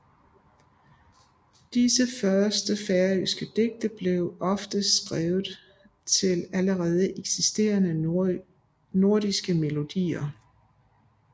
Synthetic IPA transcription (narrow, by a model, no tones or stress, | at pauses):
d̥isəfɶɐsd̥əfæɐysɡ̥əd̥e̝ɡ̥̚d̥ɐb̥le̝ʊʔɒ̽fd̥əsɡ̥ʁɛːʊð̩ˠ | t͡sʰe̝læləʁɛːð̞ˠəʔeɡ̥sisd̥e̝̰ːɐnə | no̝ɐdisɡ̥əme̝lo̝d̥ḭːɐ